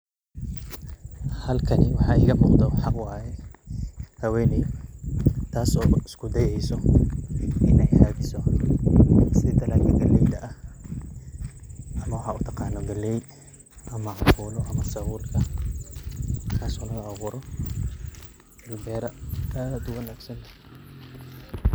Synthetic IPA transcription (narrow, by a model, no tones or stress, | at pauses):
hɐlkʰɐnɪwɑħɑːɪɣɐmuːqd̪ɔħɑqwɑːjɛ | hɐwɛːnɛj | t̪ʰaːsɔːɪskʰʊd̪ɐjɛjsɔ | ʔɪnɛjhaːðɪsɔ | sɪt̪ʰɐlaːkʰɪɡɐlːɛjd̪ɐʔɐh | ʔɐmɐwɑħɑːʊt̪ʰɐqɑːnːɔɡɐlɛj | ʔɐmɐʕɑfuːlɔʔɐmɐsɐwuːlkʰɐ | k̪ʰaːsɔːlɐɣɐaʁʊɾɔ | bɛːɾɐad̪ʊwɐnaːɡsɐnt̪ʰɐ̥